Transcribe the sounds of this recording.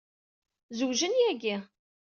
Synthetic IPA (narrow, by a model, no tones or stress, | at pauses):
zuwʒənjæɡi